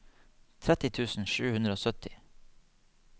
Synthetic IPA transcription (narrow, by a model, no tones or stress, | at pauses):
t̪ʰɾɛt̪ɪt̪ʰʉːsn̩ʃʉːhʉnɾəoːsœt̪ʰɪ